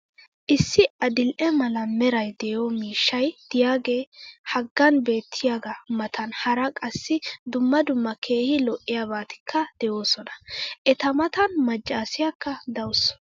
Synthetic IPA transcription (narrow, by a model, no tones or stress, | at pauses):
ʔɪsːɪʔɐd̪ɪlʔɛmɐlɐmɛɾɐjd̪ɛjɔmiːʃːɐjd̪̥ɪjaːɡe̞ːhɐɡːɐnbe̞ːt̪ʰːɪjaɡɐmɐt̪ɐnhɐɾɐkʼɐsːɪd̪ʊmːɐd̪ʊmːɐkʰe̞ːhɪlɔʔːɪjaːbaːt̪ɪ̥kʰːɐd̪̥ɛjo̞ːsɔnɐ̥ʔɛt̪ɐmɐt̪ɐnmɐt͡ʃʼːaːsɪjakːɐd̪ɐwʊsɔ̥